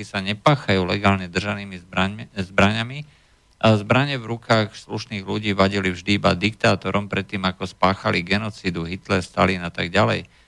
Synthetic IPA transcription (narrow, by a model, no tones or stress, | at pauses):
isaɲɛpaːxajuːlɛɡaːlɲɛd̪r̩ʒaniːmizbɾaɲami | ʔazbɾaɲɛvɾukaːxsluʃniːɣluɟiːʋaɟilivʒd̪iibad̪ikt̪aːt̪ɔɾɔmpɾɛt̪ːiːmakɔspaːxaliɡɛnɔt͡siːd̪uɦit̪lɛɾst̪a̰linat̪aɡɟalɛ̰j